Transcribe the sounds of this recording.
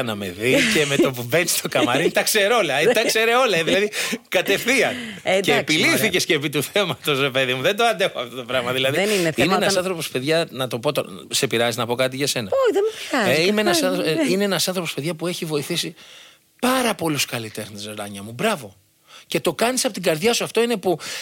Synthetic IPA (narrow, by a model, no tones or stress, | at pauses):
ɐnɐme̞̰ðice̞me̞t̪opuveni̥st̪ʰo̞kɐnmɐɾint̪ɐkse̞ɾo̞lɐet̪ɐkse̞ɾe̞o̞lɐeðilɐðikɐt̪e̞fθiɐceːpiliθice̞sce̞pit̪uθe̞mɐt̪o̞zɾepeðimuðe̞nd̪oɐnd̪e̞xoɐft̪o̞t̪o̞pɾɐɣmɐðilɐðinineneeenɐssɐ̃nθɾo̞po̞spe̞ðʝɐnɐt̪o̞po̞t̪o | se̞piɾɐziznɐpo̞kɐt̪̬iʝɐse̞nɐojðemefiɐzimeenɐsɐine̞enɐsɐnθɾopospe̞ðʝɐpueçivo̞iθisi | pɐɾɐpo̞luskɐlit̪e̞xnesɾɐɲɐmubɾɐvo̞ | ce̞t̪o̞kɐnisɐpo̞t̪iŋɡɐɾðʝɐsuɐft̪o̞ine̞pu